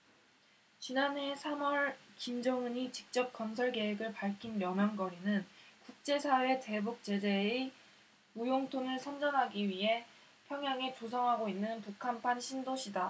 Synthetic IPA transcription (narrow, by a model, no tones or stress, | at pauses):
t͡ɕinanɦe̞sʰamʌɭkimd͡ʑʌŋuɲit͡ɕi̥k̚t͡ɕ͈ʌp̚k͈ʌns̬ʰʌɭke̞ɦeɡɯɭpaɭkʰinːjʌmjaŋɡʌɾinɯnkuk̚t͡ɕ͈e̞sʰawe̞te̞buk̚t͡ɕ͈e̞d͡ʑee | ujoŋtʰonɯɭsʰʌnd͡ʑʌnɦaɡiɥiɦe̞ | pʰjʌŋɦjaŋet͡ɕos̬ʰʌŋɦaɡoinːɯnpukʰampʰanɕʰindoɕʰida